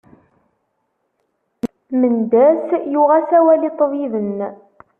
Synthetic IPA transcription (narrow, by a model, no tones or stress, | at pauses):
mənd̪æsjuʁæsæwælit̪ˤːviðən